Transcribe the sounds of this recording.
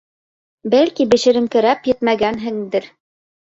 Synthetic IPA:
bælkibɘ̆ʃɘ̆ɾɘ̆mkɘ̆ɾæpjɘ̆t̪mæɡænɦɘ̆ŋd̪ɘɾ

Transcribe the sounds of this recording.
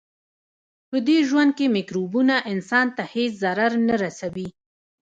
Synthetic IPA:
pəd̪eʒwand̪̚kemɪkɾubunaʔɪnsɑnt̪aheszaɾaɾnaɾasawi

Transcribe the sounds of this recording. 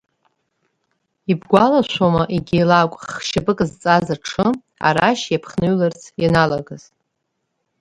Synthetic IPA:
ibɡʷalaʃʷomaʔiɡʲijlakʷʼχχʃabɨkʼɨzt͡sʼazaʈ͡ʂʰɨ | a̰ɾaʃjapʰχnɨɥlart͡sʰjanalaɡaz̥

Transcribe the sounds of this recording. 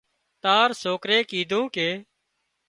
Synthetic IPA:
t̪aːɾsoːkɾeːkiːd̪ʱũːkeː

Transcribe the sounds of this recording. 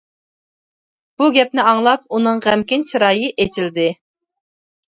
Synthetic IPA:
b̥uɡʲɛp̚nɪɑŋlˠɑp̚unɨŋʁæmkʲint͡ʃʰiɾɑːjɨʔet͡ʃʰild̪ɪ

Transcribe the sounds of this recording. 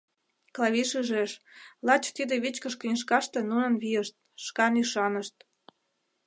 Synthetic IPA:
klɑβiʃyʒeʃlɑt͡ɕt̪id̪eβit͡ɕkə̆ʃkinʲeʃ̬kɑʃt̪ĕnunə̆nβijəʃt̪̚ʃkɑnyʃɑnəʃt̪̚

